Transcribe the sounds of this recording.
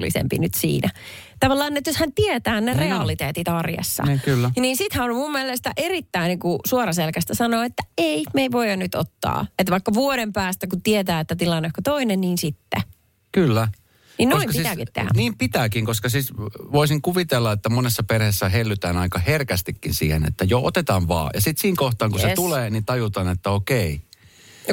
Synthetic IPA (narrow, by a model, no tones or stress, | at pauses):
lːḭsḛmpḭnyt̪sḭːnæ | t̪ɑʋɑlːɑːnːet̪joshænt̪iet̪æːnnereɑlit̪eːt̪it̪ɑrjḛsːɑ̰kylːniːnsit̪hæonmumːielest̪æʔerit̪ːæiniŋkusuorɑselkæst̪æsɑnoːet̪ːæeimeiʋoijɑnnyt̪o̰t̪ːɑ̰ːet̪ʋɑikːɑʋuoɾempæːst̪ækut̪iet̪æːet̪ːæt̪ilɑnːekkot̪oinenniːnsit̪ːḛ | kylːæ | ninoimɑsiit̪ːkkit̪t̪ːḛhæ̰niːmpit̪æːkiŋkoskɑsiːsʋoisiŋkuʋit̪elːɑet̪ːæmonesːɑperhesːæɦelːyt̪æːnɑikɑherkæst̪ikːinsḭːhenḛt̪ːæjoo̰t̪et̪ɑːʋʋɑ̰ːjɑ̰sit̪siːŋkoht̪ɑːŋkuset̪uleːnit̪ɑjut̪ɑːnet̪ːæokei